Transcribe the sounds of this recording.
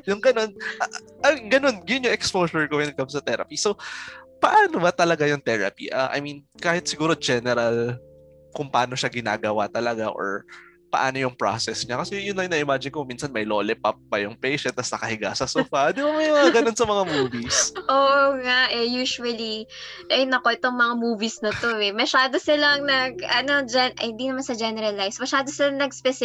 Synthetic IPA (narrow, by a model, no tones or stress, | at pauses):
jʊŋɡɐno̞nʔa | ʔɐɡɐno̞nɡɐjʊnjʊŋʔɛkspoːsʊɹkowɛnɐkɐmsɐt̪ɛɾɐ̰pisopɐʔaːnobɐt̪ɐlɐɡajʊŋt̪ɛɹɐ̰pḭʔaʔɐ̰jminkaːhɪt̪̚sɪɡuːɾo̞d͡ʒɛnɛɾɐl | kʊŋpɐʔaːno̞ʃaɡɪna̰ːɡɐwat̪ɐlɐɡa̰ʔo̰ɹ | pɐ̰ʔa̰ːno̞jʊŋpɾa̰sɛsɲakɐsɛjʊnːɐŋnɐʔɪmaːd͡ʒɪnkʊŋminsɐnmɐjloːlɛpɐpːɐjʊŋpejʃɛnt̪ːɐsnɐkɐhɪɡa̰sɐsuːfɐd̪ɪbɐmɐjmɐŋaɡɐno̞nsɐmɐŋamuːvisʔoːʔoŋaʔɛjuːʃuɐli | ʔɐjnɐko̞ʔɪt̪o̞ŋmɐŋamuːvisnɐt̪o̞ɛmɐʃaːd̪osɪlɐŋnɐɡɐno̞d͡ʒɛnʔɐhɪnd̪inɐmansɐd͡ʒɛnɛɾɐlːajfsmɐʃaːd̪o̞sɪlɐŋnɐɡspɛsɪ